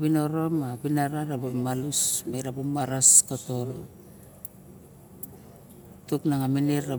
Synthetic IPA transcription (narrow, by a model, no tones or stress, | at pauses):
bino̞ɾomabinaɾaɾabomalusmeɾabumaɾaskoto̞ɾo | tuknaŋamineɾa